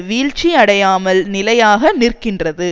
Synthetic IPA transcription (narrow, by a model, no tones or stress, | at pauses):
ʋiːɻt͡ʃiɐɽɐjaːmɐlnɪlɐjaːɣɐnɪrkɪndrɐðɯ